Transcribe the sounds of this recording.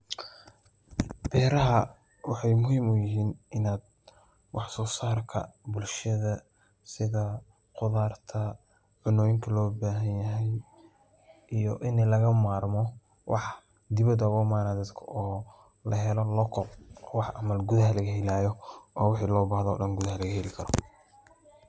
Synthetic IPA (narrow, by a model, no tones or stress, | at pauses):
b̥ɛːɾɐɦɐ | wɑħɑjmʊɦiːmʊjɪɦiːnʔɪnaːd̪ | wɑħsɔːsaːrkʰɐ̰bʊlʃɐðɐ | sɪðɐ | qʊðaːrt̪ʰɐ | ʕʊnɔːjɪŋkʰɐlɔːbaːɦɐnjɐɦɛj | ʔijɔʔɪnɛlɐɣɐmaːrmɔ | wʔɑ̰ħ | d̪ɪβɐd̪ɐɣɔmaːnad̪ɐd̪kʰɐɔː | lɐɦɛlɔlɔkʰɔqwɑħʔɐmɐlɡuðɐɦɐlɐɣɐɦɛlaːjɔʔɔːwɪħiːlɔːbaːhðɔ̰ːɗɐnɡʊðɐɦɐlɐɣɐhɛlɪkʰɐɾɔ̰